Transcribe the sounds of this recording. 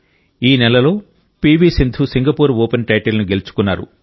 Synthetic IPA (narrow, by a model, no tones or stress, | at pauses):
iːnɛlɐlo̞ː | piːbiːsind̪ʱʰusiŋɡɐpuːɾoːpenʈɐjʈelnuɡe̞lut͡ʃu̥kunːaːɾṵ